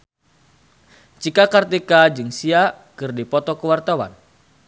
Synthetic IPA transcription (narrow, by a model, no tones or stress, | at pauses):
t͡ʃikakart̪ikad͡ʒɨŋsia | kɨrdipɔt̪ɔkəwart̪awa̰n